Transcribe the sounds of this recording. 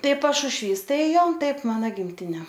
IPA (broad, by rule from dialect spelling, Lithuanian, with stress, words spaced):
ˈtɐɪ pɐʃʊʃʲˈʋʲiːs ˈtɐɪ ˈjɛʊ ˈtɐɪp ˈmɑːnɐ ɡʲɪmʲˈtʲɪnʲɛ